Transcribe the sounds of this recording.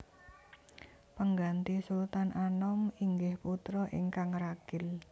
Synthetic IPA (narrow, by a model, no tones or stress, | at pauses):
pəŋɡant̪isult̪anʔanɔmiŋɡɪhput̪ɾɔʔɪ̰ŋkaŋɾaɡ̥ɪl